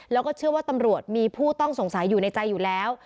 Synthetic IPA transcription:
lɛː˦˥wkɔː˥˩t͡ɕʰɯ˥˩əwaː˥˩t̪a˧mɾu˨˩ət̪̚miː˧pʰuː˥˩t̪ɔ˥˩ŋso˨˩˦ŋsa˨˩˦jːuː˨˩na˧jt͡ɕa˧jːuː˨˩lɛː˦˥w

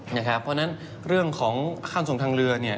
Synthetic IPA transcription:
na˧˥˩kʰa˦˥pʰːɔː˧na˦˥n | ɾɯ˥˩əŋkʰɔː˩˦ŋkʰaː˧˥˩nso˨˩˦ŋt̪ʰːŋɾɯ˧ɐni˥˩ə

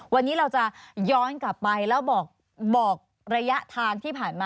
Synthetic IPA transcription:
wa˧nːiː˦˥ɾa˧wt͡ɕa˨˩jɔː˦˥nkla˨˩pːa˧jlɛː˦˥wbɔː˨˩k̚ | bɔː˨˩k̚ | ɾa˧ja˦˥ʔt̪ʰaː˧ŋt̪ʰiː˥˩pʰaː˨˩nmaː˧

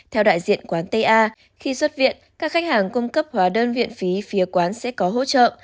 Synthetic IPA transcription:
t̪ʰɛ˧wɗa̰ː˧˨jzḭ˧˨ənkwaː˨˦nt̪ə˧jʔaː˧ | xi˧swə˦˥t̚vḭ˧˨ənkaː˦˥k̚xa˦˥jk̚haː˨˩ŋkʊ˧ŋ͡mkə˦˥p̚hwaː˨˦ɗəː˧nvḭ˧˨ənfi˨˦fi˨˦əkwaː˨˦nsɛ̰˧˥kɔ˨˦ɦo̰˧˥t͡ɕə̰ː˧˨

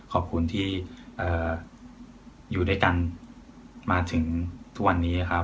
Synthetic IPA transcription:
kʰɔː˨˩p̚kʰu˧nt̪ʰiː˥˩ʔɤː˨˩ | juː˨˩da˥˩jka˧n | maː˧t̪ʰɯ˩˦ŋt̪ʰu˦˥k̚wa˧nːiː˦˥na˧˩kʰa˦˥

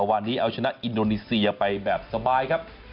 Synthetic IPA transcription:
waː˧nːiː˦˥ʔa˧wt͡ɕʰa˧na˦˥ʔʔi˧ndoː˧niː˧si˧ɐpa˧jbɛː˨˩p̚sa˧baː˧jkʰa˦˥p̚

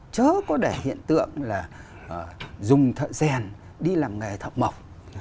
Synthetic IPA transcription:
t͡ɕəː˨˦kɔ˨˦ɗɛ˧˩hḭ˧˨ənt̪ɨ̰˧˨əŋlaː˨˩˨ | zʊ˨˩ŋ͡mt̪ʰə̰ː˧˨sɛ˨˩n | ɗi˧laː˨˩mŋa˨˩jt̪ʰə̰˧˨wŋ͡mmə˨˩wk͡p̚

